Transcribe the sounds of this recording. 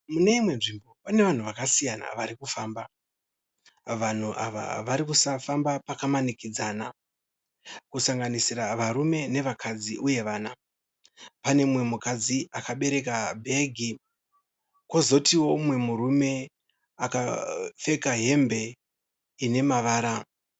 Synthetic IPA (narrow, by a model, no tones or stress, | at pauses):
mune̞imwe̞nʐimbo̞pane̞ʋan̤uʋakasijana̰ʋaɾikufaːmba | ʋan̤uʔa̰ʋa̰ʋaɾikusafambapakamanikid͡zana | kusaŋɡanisiraʋaɾume̞ne̞ʋakʰad͡ziʔuje̞ʋaːna | pane̞mwe̞mukad͡ziakaɓe̞ɾe̞kabʱe̞ɡʱi | ko̞zo̞tiwo̞mwe̞muɾume̞ | akafe̞kaɦe̞mbe̞ | ine̞maʋaːɾa